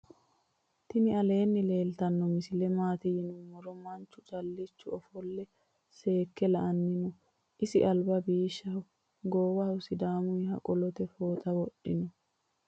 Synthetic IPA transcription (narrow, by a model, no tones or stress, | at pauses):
t̪ɪnɪɐle̞ːnːɪle̞ːlt̪ɐnːɔmɪsɪlɛmaːt̪ɪjɪnʊmɔɾɔmɐnt͡ʃːʊt͡ʃʼɐlːɪt͡ʃːʊɔfɔlːɛ | se̞ːkːɛlɐʔɐnːɪnʊ | ʔɪsɪʔɐlbɐbiːʃːɐ | ɡoːwɐʊsɪd̪aːmʊjɦɐ̰kʼɔlɔt̪ɛfoːt̪ɐwɔɗːɪnɔ